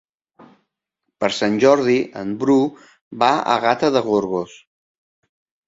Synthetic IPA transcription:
pəɾsanʲʒɔɾðiʔə̰mbɾu | baə̰ɣat̪əðəɣ̞uɾɣos

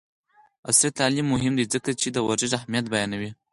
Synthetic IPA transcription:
asɾit̪alimːʊɦɪmd̪izəkat͡ʃed̪əwaɾzɪʒahmijat̪bajɑnawi

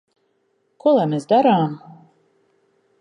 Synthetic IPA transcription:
kuɔlˠamʲesd̪aɾaːm

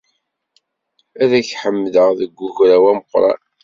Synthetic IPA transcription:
æðæçħəmːðəʁðəɡːʊʝɾæwæməqːɾˤɑ̰

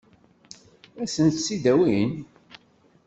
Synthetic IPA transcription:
æsənt̪sid̪æwin

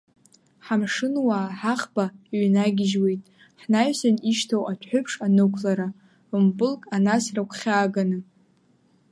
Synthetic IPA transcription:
ħamʂɨnwaħaχbaɥnaɡʲɪʒwejtʼ | ħnajsaniʃtʰawʔatʰʷħʷᶣʊpʰʂanɨkʷʰlaɾa | umbɨlkʼanasrakʷʰχʲaːɡanɨ

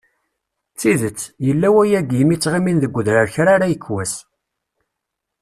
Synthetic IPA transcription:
t͡sːiðət͡sːjəlːæwæjæɡimit͡sːʁiminðəɡʷːʊðɾəɾçɾaɾajəkːwæs

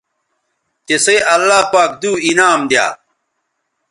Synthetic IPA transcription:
t̪esɐɐlːaːpaːk̚d̪uːinaːmd̪ja̰ː

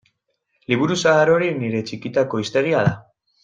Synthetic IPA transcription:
liβ̞uɾusaːɾo̞ɾiniɾe̞t͡ʃikit̪ako̞ist̪e̞ɾiað̞a

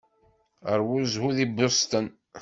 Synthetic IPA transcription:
əɾwuzhuðibʊst̪ən

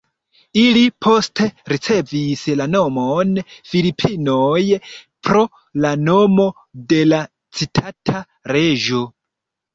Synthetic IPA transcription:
ilipʰo̞ste̞ɾit͡se̞vislano̞monfilipʰinojpɾo̞ | lano̞mo̞ | de̞la | t͡sitʰatʰa | ɾe̞ʒo̞

